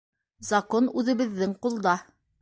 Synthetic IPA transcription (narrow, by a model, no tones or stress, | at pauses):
zɐkonʉðɘ̆βɘ̆ðːɘŋqulˠd̪ɑ